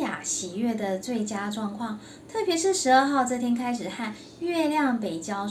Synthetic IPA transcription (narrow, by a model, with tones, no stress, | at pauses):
ja̰˨˩ɕi˨˩ɥɛ˥˩d̪ə˩t͡swe˥˩ɪt͡ɕja˥ʈ͡ʂwɑ˥˧ŋkʰwɑ˥˩ŋ | t̪ʰɤ˥˩pjɛ˧˥ʂɻ̩˥˩ʂɻ̩˧˥ə˞˥˧xɑ˥˧ʊʈ͡ʂɤ˥˩t̪ʰjɛ˥nkʰa˥ɪʂɻ̩˨˩xa˥˧n | ɥɛ˥˧ljɑ˥˨ŋpe˨˩ɪt͡ɕjɑ˥ʊ